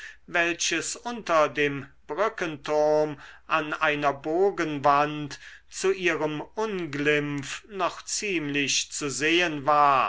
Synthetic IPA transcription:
vɛlɕəsʔʊntɐdeːmb̥ʁʏkəntʰʊʁɐmʔanaɪnɐboːɡənvantt͡suʔiːʁəmʔʊnɡlɪmfnɔχt͡siːmlɪɕt͡suzeːənvaːɐ

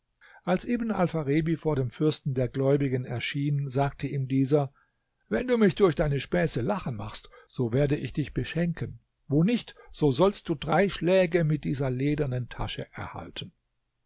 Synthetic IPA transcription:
ʔalsʔeːbən̩a̰lfaʁeːbifoːɐɾeːmfʏɐstn̩deːɐɡlɔʏbɪɡənɛɐʃiːnzaːk̚tʰəiːmdiːzɐ | vɛnduːmɪçd̥ʊɐçd̥aɪnəʃpɛːsəlaχəma̰χstz̥oːveːɐdəʔɪçd̥ɪçb̥əʃɛŋkʰən | voːnɪçtz̥oːzɔlst̚d̥uːdʁaɪʃlɛːɡəmɪt̚d̥iːzɐleːdɐnəntʰa̰ʃəʔɛɐha̰ltʰən̩

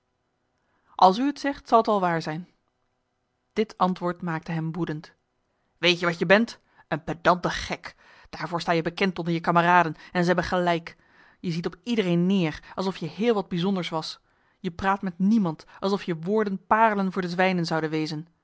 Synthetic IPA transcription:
ʔɑlˠs̬yətsɛχtsɑlˠətɑlˠʋaːɹzɛjn | d̥ɪtɑntʋʊːɹtmaːk̚təɦɛmbudənt | ʋejtjəʋɑtjəbɛnt | ənpədɑntəχɛk | d̥aːɹvʊːɹstaːjəbəkɛntɔndəɹjəkaməraːdənɛnzəɦɛbənχəlɛjk | jəzitɔpidərejnːɪːrɑlˠsɔfjəɦɪːlˠʋɑd̚bizɔndəɹsʋɑs | jəpraːtmɛtnimɑntɑlˠsɔfjəʋʊːɹdənpaːrələnvʊːɹdəzʋɛjnənzɑwdənʋejzən

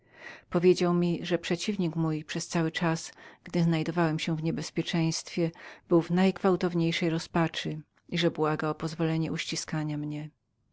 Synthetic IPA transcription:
pɔvʲjed͡ʑawmʲiʐɛpʂɛt͡ɕivɲikmujpʂɛst̪sawɘt͡ʂasɡ̥d̪ɘznajd̪ɔvawɛmɕɛ̃vɲɛbɛspʲjɛt͡ʂɛ̃j̃st̪fʲjɛb̥ɘwvnajɡvawt̪ɔvɲejʂɛjɾɔspat͡ʂɘ | iʐɛbwaɡaɔpɔzvɔlɛɲɛuɕt͡ɕiskaɲamɲɛ

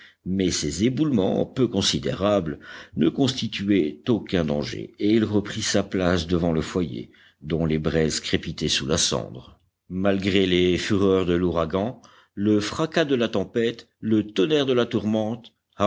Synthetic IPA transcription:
mɛsezebulmɑ̰̃pøkɔ̃sid̪ḛʁablnəkɔ̃st̪it̪yɛt̪okɛ̃d̪ɑ̃ʒḛeilʁəpχisaplasd̪əvɑ̃ləfwajḛ | d̪ɔ̃lebʁɛzkχepit̪ɛsulasɑ̰̃d̪ʁə | malɡʁelefyʁœʁd̪əluʁaɡɑ̃ | ləfχakad̪əlat̪ɑ̃pɛt̪ | lət̪ɔnɛʁd̪əlat̪uʁmɑ̃t̪

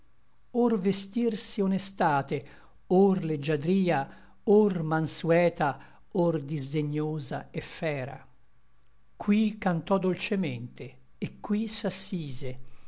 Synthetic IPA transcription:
orvest̪irsionest̪aːt̪e | orled͡ʒːad̪ɾiːa | ormansuɛːt̪a | ord̪izd̪eɲːoːzaɛfːɛːɾa̰ | kwikant̪ɔd̪olt͡ʃemɛnt̪eː | kːwisasːiːze

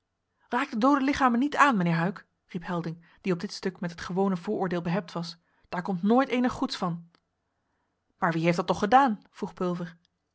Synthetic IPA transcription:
raːk̚dədowdəlɪχaːmənitaːnmənɪːɹɦœɥk | ripɦɛlˠdɪŋ | d̥iɔb̚dɪtstɵkmɛtɦətχəʋownəvʊːɹʊːɹdeːlˠbəɦɛp̚tʋɑs | d̥aːɹkɔmtnoːjtejnəχːutsfɑn | maːɹʋiɦejftdɑtːɔχχədaːnv̥ruχpɵlˠvəɹ

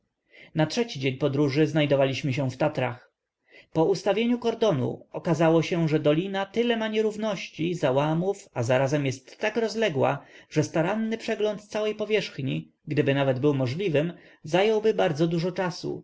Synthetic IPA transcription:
natʂɛt͡ɕid͡ʑeɲpɔd̪ɾuʐɘznajd̪ɔvalʲiɕmɘɕɛ̃ft̪at̪ɾa̰x | pɔʔust̪avʲjeɲukɔɾd̪ɔnṵɔkazawɔɕɛ̃ʐɛd̪ɔlʲinat̪ɘlɛmaɲɛɾuvnɔɕt͡ɕizawamufazaɾazɛmjɛst̪ːakɾɔzlɛɡwa̰ʐ̥ɛst̪aɾanːɘpʂɛɡlɔnt̪t̪sawɛjpɔvʲjɛʂxɲi | ɡd̪ɘbɘnavɛd̪bɘwmɔʐlʲivɘm | zajɔwbɘbaɾd̪zɔd̪uʐɔt͡ʂasṵ

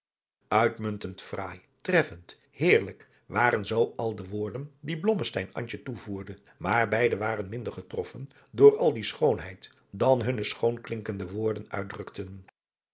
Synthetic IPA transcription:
ʔœɥtmɵntəntfraːj | trɛfənt | hɪːɹlək | ʋaːɾənzowɑlˠdəʋʊːɹdəndiblɔməstɛjnɑ̰ɲt͡ʃətuvuːɹdə | maːɹbɛjdəʋaːrənmɪndəɹχətrɔfən | dʊːɹɑlˠdisχownɦɛjt | dɑnɦɵnəsχownklɪŋkəndəʋʊːɹdənœ̰ɥdrɵktən

